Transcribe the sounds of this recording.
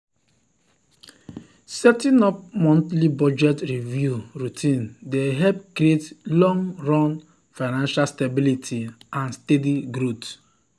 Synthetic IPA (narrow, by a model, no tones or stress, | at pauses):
sɛtĩnɔp̚mɔ̃ntlibɔd͡ʒɛtɹivjuɾutʰĩndeɦɛpkɾietlɔ̃ŋɹɔ̃n | faɪnãnʃalstabilitʰiãnstediɡɾot